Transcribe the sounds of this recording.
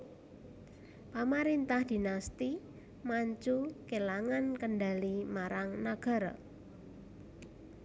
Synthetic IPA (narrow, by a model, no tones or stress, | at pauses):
pamaɾɪnt̪ahd̪̥i̤nast̪i | maɲt͡ʃukelaŋankənɖa̤limaɾaŋnaɡ̥a̤ɾɔ̰